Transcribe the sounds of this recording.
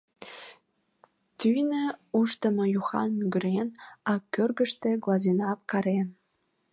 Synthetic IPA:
t̪yjnə̆uʃt̪ə̆mɤ̆juxɑ̰nmyɡə̆ɾenɑkørɣə̆ʃt̪ĕɡlˠɑzinɑp̚kɑɾen

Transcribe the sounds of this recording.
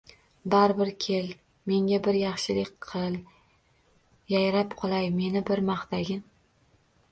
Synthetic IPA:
d̪aɾbɪɾkʲʰe̞l | me̞ŋɡʲabɪɾjɑχʃɪlɪkʲqʰɨlˠ | jajɾapqʰɨlˠajme̞nɪbɪɾmɑχt̪aɡʲɪn

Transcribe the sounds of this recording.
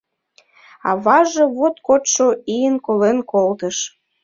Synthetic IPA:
ɑ̰βɑʒɤβot̪kot̪ʃoijənkolenkolt̪əʃ

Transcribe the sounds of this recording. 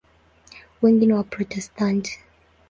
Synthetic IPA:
wɛŋɡiniwapɾɔtɛstʰant

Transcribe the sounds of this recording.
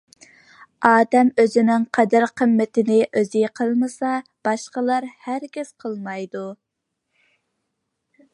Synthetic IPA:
ɑːd̪ɛmøzɪnɪŋqʰɛd̪æɾqʰəmːɪt̪ʰɪnɪʔøzɪqʰəlˠmɨsɑb̥ɑʃqəlˠɑɾhæɾkʲɪz̥qʰəlˠmɑjd̪u

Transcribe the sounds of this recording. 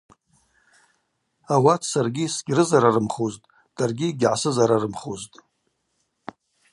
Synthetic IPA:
awatʰsarɡʲisɡʲrɨzaɾarɨmχoztʼ | d̥arɡʲiɡʲʕasɨzaɾarɨmχoztʼ

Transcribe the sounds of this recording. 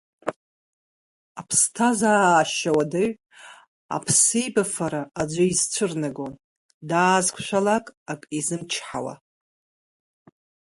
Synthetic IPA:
apʰstʰazaːʃawadaɥʷ | a̰pʰsɨjbafaɾaad͡ʒʷaizt͡ɕʷʰɨrnaɡon | daːzkʷʰʃʷᶣalakʼakʼizɨmt͡ʃʰħawa̰

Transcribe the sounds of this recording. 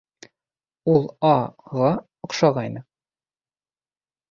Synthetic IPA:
ulˠɑʁɑ | ŏqʃɑʁɑjnɤ

